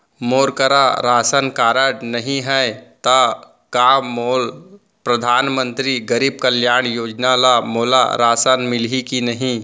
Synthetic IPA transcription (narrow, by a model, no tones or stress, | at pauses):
moːɾkəɾaɾaːsənkaːɾəʈnɐɦĩɦɛt̪a | kaːmoːl | pɾəd̪ʱaːnmə̃nt̪ɾiɡəɾiːb̚kəljaːɽ̃joːd͡ʒnalamoːla̰ɾaːsənmɪlikinəɦĩ